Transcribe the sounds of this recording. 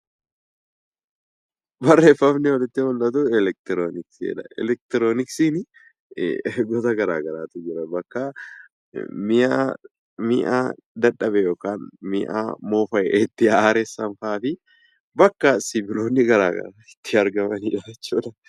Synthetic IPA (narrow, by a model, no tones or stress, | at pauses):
bɐrːefːɐbnɛwɔlɪt̪ːɪhɔlʔɐt̪ʊɛlɛk̚t̪ɪɾoːnɪksɛ̰ᶑɐɛ̰lɛk̚t̪ɪɾoːnɪksinɪ̰ | ɡɔt̪ɐɡɐɾa̰ːɡɐɾaːt̪ʊd͡ʒɪɾɐbɐkːɐ | mɪʔaː | mɪʔa̰ː | d̪ɐᶑɐbɛjoːkaːnmɪʔa̰ːmoːfɐɛʔt̪ːɪaːɾɛsːɐnfaːfɪ | bɐkːɐsɪbɪloːnːɪɡɐɾa̰ːɡɐ̰ɾaɪt̪ːɪɐɾɡɐmɐniːᶑɐɛt͡ʃːuːᶑɐ